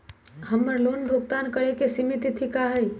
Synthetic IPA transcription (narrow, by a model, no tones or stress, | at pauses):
həmːəɾlonbʱoɡt̪ankəɽekesimit̪it̪ʰikaɦəj